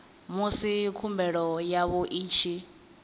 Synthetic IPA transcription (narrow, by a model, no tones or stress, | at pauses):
musikʰumbɛɺɔjaβɔʔiːt͡ʃʰi